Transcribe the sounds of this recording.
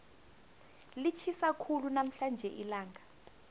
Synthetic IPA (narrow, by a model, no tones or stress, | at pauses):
lit͡ʃʰisakʰulunam̩ɬand͡ʒʱɛʔilaːŋʱa